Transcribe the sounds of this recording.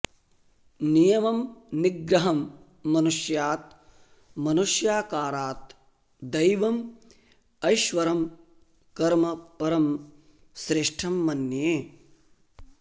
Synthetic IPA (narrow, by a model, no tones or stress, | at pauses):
nijɐmɐmniɡɾɐɦɐmː | ɐnuʂjaːt̪̚ | mɐnuʂjaːkaːɾaːt̪ | d̪ɐjʋɐm | ɐjʃʋɐɾɐm | kɐɾmɐpɐɾɐm | sɾɪʂʈʰɐmːɐnjeː